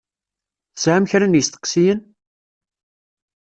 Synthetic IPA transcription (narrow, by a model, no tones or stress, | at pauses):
θsʕæmçɾænjəst̪ə̥qsijən